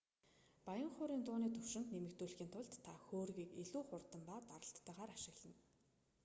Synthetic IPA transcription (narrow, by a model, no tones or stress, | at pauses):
pajə̆ɴχʊːɾiːnt̪ʊːniːt̪ʰɵw̥ʃɪ̆nt̪nemɘ̆kt̪uːɮxiːnt̪ʰʊɮt̪ːʰaxoːrɣiːkeɮuːχʊrt̪ə̆mpaːt̪aɾə̆ɬt̪ːaːʁaːɾaʃɪ̆ɣɮə̆n